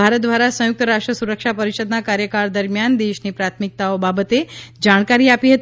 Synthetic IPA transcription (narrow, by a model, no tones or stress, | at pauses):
aɾət̪̚d̪ʋaɾasə̃juk̚t̪əɾaʂʈɾəsuɾəkʂapəɾiɕəd̪nakaɾjəkaɾd̪əɾmjand̪eʃniːpɾat̪ʰmik̚t̪aʋbabət̪ed͡ʑaɽ̃kaɾiːapiɦət̪